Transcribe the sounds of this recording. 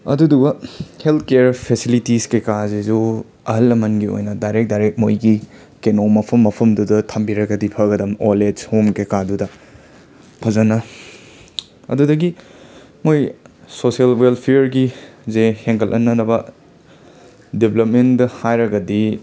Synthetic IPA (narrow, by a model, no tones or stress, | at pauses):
ɐ̰dudubɐhelt̪̚ʰkeɾpʰesilitiskekazezu | ɐɦɐlːɐmɐnɡio̰jnɐdajɾek̚dajɾek̚mojɡi | kenomɐpʰɐmːɐpʰɐmdudɐtʰɐmbiɾɐɡɐdipʰɐɡɐdɐmoled͡ʒhomkekadudɐ | pʰɐzɐnɐ | ɐ̰dudɐɡi | moj | sosielwelpʰeɾɡizeheŋkʰɐlʔɐ̰nːɐnɐbɐ | deblɐp̚mendɐhajɾɐɡɐdi